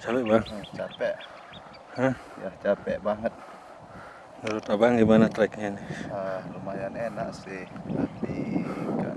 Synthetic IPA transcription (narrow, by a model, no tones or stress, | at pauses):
t͡ʃapɛʔbaŋət͡ʃapɛʔ | hə | ja̰ht͡ʃapɛʔbaŋət̪̚ | nuɾut̪abaŋɡimanat̪ɾakŋanərumajanɛna̰ʔsɪha̰t̪ika̰ʔ